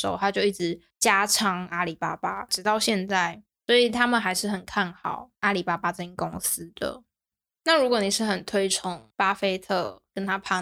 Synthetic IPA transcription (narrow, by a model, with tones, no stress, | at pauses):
ʂo˨˦o˥ʊt̪ʰa˦˥t͡ɕjo˥˧ʊi˥˩ʈ͡ʂɻ̩˧˦ | t͡ɕja˥ʈ͡ʂʰɑ˧˥ŋa˥li˨˩pa˥pa˦ʈ͡ʂɻ̩˨˥t̪ɑ˥˧ʊɕjɛ˥˧nt͡sa˥˩ɪ | swɔ˧˦˥i˨˩t̪ʰa˥mə˨nɦa˧˥ɪʂɻ̩˥˩xə˨˩nkʰa˥˩nxɑ˨˩˦ʊa˥li˨˩pa˥pa˥t͡sə˥˩i˨˩kʊ˦ŋs̩˦d̪̥ə̰˩ | na˥˨ɻu˧˥kwo˨˦ni˨˩ʂɻ̩˥˩xə˨˩nt̪ʰwe˥ɪʈ͡ʂʰʊ˧˥ŋpa˦fe˥ɪt̪ʰɤ˥˩kə˦nt̪ʰa˥pʰa˥˩